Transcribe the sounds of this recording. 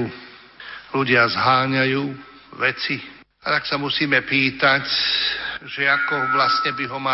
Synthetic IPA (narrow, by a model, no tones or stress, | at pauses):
uː | luɟɪazɦaːɲajuː | ʋɛt͡si | at̪aksamusiːmɛpiːt̪ac | ʒɛakɔʋlastɲɛbiɦɔma